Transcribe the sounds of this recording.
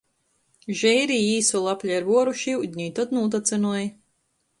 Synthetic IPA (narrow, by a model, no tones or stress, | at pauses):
ʒɛjɾiːiːsulˠapʲlʲɛaɾvuɔɾuʃiud̪̚ʲɲiːt̪ɔt̪nuːt̪at̪sɨnuɔj